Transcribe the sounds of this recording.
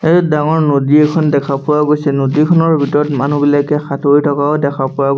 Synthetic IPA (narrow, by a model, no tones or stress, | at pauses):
edaŋɔɹnodiekʰɔndɛkʰapʊwaɡojsɛnodikʰɔnɔɹbʱitɔɹɔtmanubilakɛxatojtʰɔkaɔdɛkʰapʊwa